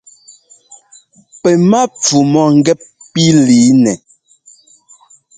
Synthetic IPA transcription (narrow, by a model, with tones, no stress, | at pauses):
pɛ˨ma˦p͡fu˨mɔ˨ŋ̩˦ɡɛ˦p̚pi˦liː˨˦nɛ˨